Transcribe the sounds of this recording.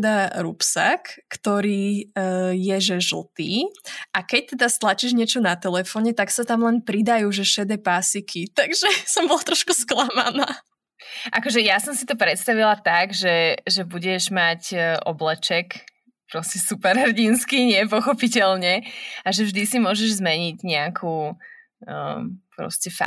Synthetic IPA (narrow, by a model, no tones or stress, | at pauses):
d̪aɾupsa̰kːt̪ɔɾiː | jɛʒɛʒl̩ˠt̪iːʔakɛc̚t̪ɛd̪ast̪lat͡ʃiːʒɲɪɛt͡ʃɔnat̪ɛlɛfɔːɲɛt̪aksat̪amlɛnpɾid̪ajuːʒɛʃɛd̪ɛpasikʰit̪aɡʒɛsɔmbɔlat̪ɾɔʃkusklama̰naː | ʔakɔʒɛjasɔmsit̪ɔpɾɛt̪st̪aʋilat̪aɡʒɛʒɛbuɟɛʒmacʔɔblɛt͡ʃɛk | pɾɔscɛsupɛɾɦɛrɟinskiɲɪɛpɔxɔpicɛlɲɛaʒɛvʒd̪isimʊɔʒɛʒzmɛɲiɟɲɛakʰu | pɾɔ̰scɛfa̰